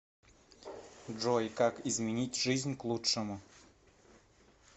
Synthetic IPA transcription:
dʐojkakɪzmʲɪnʲitʲʐɨzʲnʲklˠuʂɨmʊ

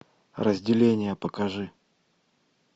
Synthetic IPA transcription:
rəzʲdʲɪlʲenʲɪjəpəkɐʐɨ

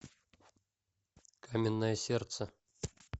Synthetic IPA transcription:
kamʲɪnːəjəsʲert̪sə

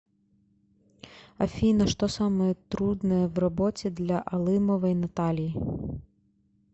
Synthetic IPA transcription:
ɐ̰fʲinɐʂt̪ɔsamɐjɐt̪ɾud̪nɐjɛwrabɔt͡sʲɛd̪lʲɐʔɐlˠɨmɐvɐjnɐt̪alʲiji

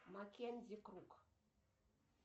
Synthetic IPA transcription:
makendikɾuk

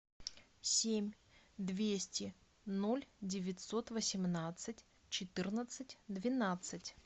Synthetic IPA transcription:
sʲemʲ | d̪vʲesʲtʲɪ | no̞lʲdʲɪvʲɪtʲso̞t̪vəsʲɪmnat̪sɨtʲ | t͡ɕɪt̪ɨrnət̪sɨtʲd̪vʲɪnat̪sɨtʲ

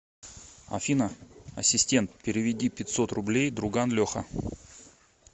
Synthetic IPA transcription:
ɐ̰fʲinəɐsʲɪsʲtʲe̞nt̪̚pʲɪɾʲɪvʲɪdʲipʲɪt̪ʲsot̪rʊblʲejd̪ɾʊɡanlʲoxə

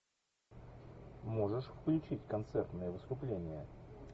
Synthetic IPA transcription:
mo̞ʐɨʂfklʲʉt͡ɕitʲkɐnt̪sɛrt̪nɨjəvɨst̪ʊplʲenʲɪjə

